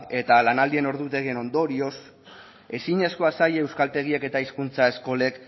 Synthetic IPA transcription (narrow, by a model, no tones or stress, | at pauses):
e̞t̪alanald̪ie̞no̞ɾðut̪e̞ɣeno̞nd̪o̞ɾio̞s | e̞siɲe̞sko̞asajeewskalt̪e̞ɣ̞ieke̞t̪aiskunt͡sae̞sko̞le̞k